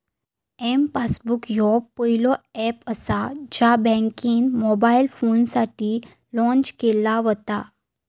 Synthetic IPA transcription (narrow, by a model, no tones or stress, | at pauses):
ɛmpasbukjɔpːəilɔɛpəsad͡ʑabɛ̃ŋkiːnmɔbailfonsaʈiː | lɔ̃ɲt͡ɕkelaʋɔt̪a